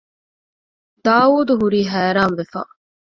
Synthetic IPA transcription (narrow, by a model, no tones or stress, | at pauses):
d̪̥aːuːd̪uɦuɾiːɦæːɾaːmʋefa̰